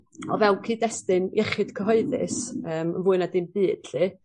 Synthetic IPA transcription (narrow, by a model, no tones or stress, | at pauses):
ɔ̰vɛlˠkʰiːdɛstɪnḭɛχɨd̥kʰəɦɔɨðɪ̰səːmə̰nvuːɨnadɨnb̥ɨːd̥ɬɨː